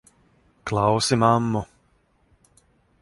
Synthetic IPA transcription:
klˠawsimamːu

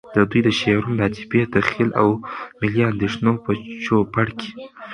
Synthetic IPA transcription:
d̪əd̪ujd̪əʃeɾumɾɑt̪i̥bed̪axilʔa̰wmɪliand̪eʂnopət͡ʃopaɽkʰe̥

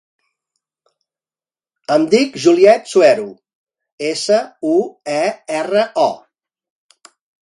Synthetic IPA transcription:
əmd̪ikʒuliɛt̪suɛɾu | esəuɛɛrəʔɔ

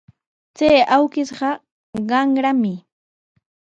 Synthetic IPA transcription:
t͡sajawkɪsɢɑ | ɢɑŋɾamɪ

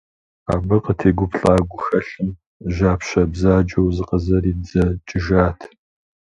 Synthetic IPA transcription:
a̰ːbɨqʼətʰeːɡʷʊpʰɬʼaːɡʷʊxɐɬɨm | ʒaːpɕɐbzaːd͡ʒɐwzɨqʼɐzɐɾiːbd͡zɐt͡ʃʼɪʒaːtʰ

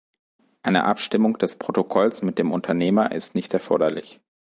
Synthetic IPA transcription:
ʔaɪnə̰ʔapʃtɪmʊŋd̥ɛspʁ̥otokʰɔlsmɪt̚d̥eːmʊntʰɐneːmɐʔɪ̰stnɪçtɛɐfɔɐɾɐlɪç

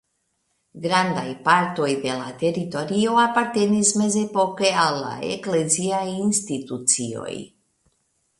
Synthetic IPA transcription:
ɡɾand̪ajpaɾt̪ojd̪ela̰t̪eɾit̪oɾioapaɾt̪enizmezepokeala̰ḛkleziaiinst̪it̪ut̪sio̰j

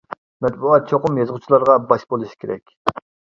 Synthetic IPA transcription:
mɛt̪̚buɑt̪̚t͡ʃʰoqʊmjɑzʁʊt͡ʃʰilˠɑɾʁɑbɑʃbolˠuʃi̥kʲʰeɾɛ̰kʲ

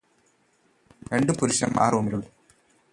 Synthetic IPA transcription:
ɾeɳɖɨpuɾuɕɐ̰mʔa̰ːrumiluɽ

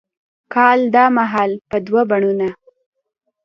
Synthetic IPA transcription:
kɑld̪ɑmaɦɑlpəd̪wabaɳuna

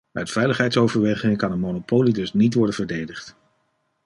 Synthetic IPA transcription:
œɥtfɛjləχɦɛjtsowvəɹʋejχɪŋkɑnənmonopoːwlidɵsnitʋɔɹdənvəɹdejdəχt

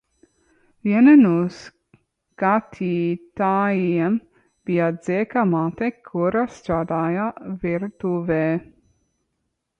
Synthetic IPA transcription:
vjɛnɛnus | kat̪ʰit̪ajiɛm | b̥iazekamat̪ekʰuɾast̪ɾad̪ajaviɾt̪uve

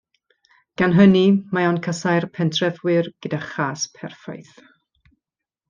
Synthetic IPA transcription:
ɡ̥anɦənimaɔnkʰəsajrpʰɛntʰrɛvwɨrɡ̥ədaχaːspʰɛrfɔ̰jθ

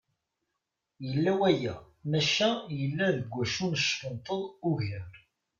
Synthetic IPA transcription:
jəlːæwæjæ | mæʃæjəlːæðəɡʷæʃunəʃfənt̪ˤəðˤuʝəɾ

